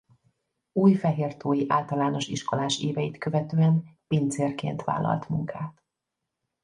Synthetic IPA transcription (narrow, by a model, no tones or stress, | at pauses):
uːjfɛɦeːrt̪oːjiʔaːlt̪ɒlaːno̞ʃiʃko̞laːʃeːvɛjit̪kø̞vɛt̪øːɛnpeːnt̪seːrkḛːnt̪ʋa̰ːlːɒ̰lt̪muŋkʰaːt̪